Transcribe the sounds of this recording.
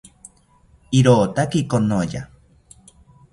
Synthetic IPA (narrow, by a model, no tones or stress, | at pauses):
iɾoːt̪akikonoja